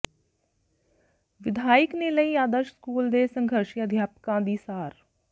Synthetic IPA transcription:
ʋɪd̪ʱaːɪkneːləiːaːd̪əʃskuːld̪eːsə̃ŋɡʱəɾʃiəd̪ʱjaːpkãːd̪iːsaːɾ

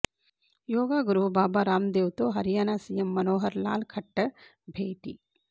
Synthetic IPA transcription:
joːɡaːɡɾuːbaːbaːɾaːmd̪eːwt̪oːɦɐɾjaːnasijɐmːɐnoːɦɐɾla̰ːlkʰɐʈːɐ | bʱeːʈḭ

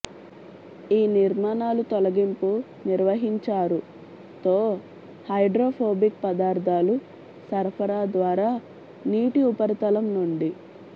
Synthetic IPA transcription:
iːniɾmaːnaːlut̪ɔlɐɡimpu | niɾʋɐɦiɲt͡ʃaːɾu | t̪o̞ː | hɐjɖɾoːpʰoːbikpɐd̪aːɾd̪ʱaːlu | sɐɾpʰɐɾaːd̪ʋaːɾaː | niːʈiupɐɾt̪ɐlɐmnuɳɖi

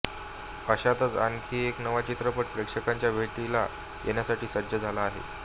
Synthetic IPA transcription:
əɕat̪ət͡sa̰ŋkʰiːeknəʋat͡ɕit̪ɾəpəʈ̚pɾekʂəkaɲt͡ɕjabʱeʈila̰ | jʔḛnjasaʈiːsəd̪d͡ʑəd͡zʱalaːɦḛ

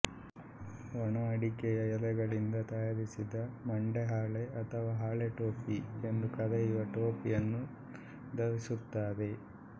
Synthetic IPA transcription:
ʋɐɳɐɐɽikɛjɐjɐlɛɡɐɭind̪ɐt̪ɐjaɾisid̪ɐmɐɳɖeɦaːɭeɐt̪ʰɐʋaːɦaːɭeʈoːpie̞nd̪ukɐd̪ɐiʋɐʈoːpijɐnːu | d̪ɐɾisut̪ːaːd̪e

